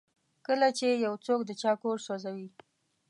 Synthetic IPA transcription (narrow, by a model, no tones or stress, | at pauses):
kəlat͡ʃejawt͡sok̚d̪ət͡ʃɑkoɾswazawi